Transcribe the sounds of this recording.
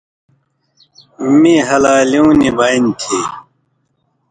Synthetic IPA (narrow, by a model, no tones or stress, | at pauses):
miɦɐlaːliũːnibaːint̪ʰi